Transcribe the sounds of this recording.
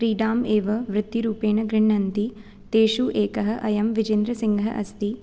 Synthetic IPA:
ɾiːɖaːmeːʋɐʋɾɪt̪ːiɾuːpeːɳɐɡɾiɳːɐnt̪i | t̪eːʂuʔeːkɐɦɐ̆ʔɐjɐmʋid͡ʒend̪ɾɐsiŋɡʱɐɦɐ̰ʔɐst̪i

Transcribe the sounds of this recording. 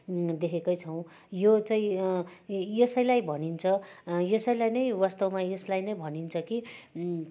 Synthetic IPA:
d̪ekʰekʌjt͡sʰʌw̃ | jot͡saĩ | jʌsʌjlajbʱʌnint͡sʰʌjʌsʌjlajnʌjwast̪ʌwmajʌslajnʌjbʱʌnint͡sʰʌki

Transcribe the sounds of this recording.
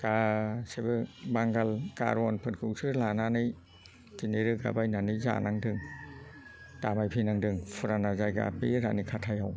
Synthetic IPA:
ɡ̥asebɯbaŋɡalka̰ɾɔnpʰɯtkʰɯwsɯlananɯj | kineɾɯɡa̰bajnanɯjza̰naŋdɯŋ | tamajpʰinaŋdɯŋpʰuɾanazajɡa̰pḭɾanikʰatʰajaw

